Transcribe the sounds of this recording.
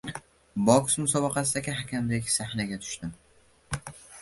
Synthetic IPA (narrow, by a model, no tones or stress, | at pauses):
bɒksmʊsɒbɑqʰɑsɪd̪akʲʰɪɦakʲʰamdekʲsahnaɡʲat̪ʰʊ̥ʃt̪ɪm